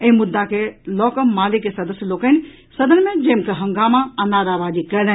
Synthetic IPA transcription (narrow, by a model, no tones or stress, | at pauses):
ẽɦmʊd̪ːakelɔːkəmːaːlɪkːesɐd̪əsjəloːkən | sɐd̪ənmẽd͡ʒɐ̃ːmkeɦɐ̃ŋɡaːmaɐnaːɾaːʋaːd͡ʒikɐl